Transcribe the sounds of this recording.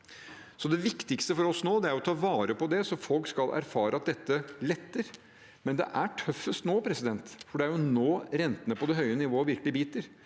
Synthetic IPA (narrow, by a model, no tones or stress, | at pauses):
sɔd̪ɛʋɪkt̪ɪkst̪əfɔɾɔsnoːd̪ɛæɾjɔt̪ʰɑːʋɑːɾəpɔd̪ɛsɔfɔlkskɑlʔæ̰ɾfɑːɾəɑt̪̚d̪ɛt̪ːəlɛt̪ːəɾ | mɛnd̪ɛ̰ʔæʈʰœfːəst̪noːpʰɾɛsɪd̪ɛnt̪fɔɖɛæɾjʊnoːɾɛnt̪ənəpɔd̪ɛɦœʏənɪʋoːʋɪɾkəlɪbiːt̪əɾ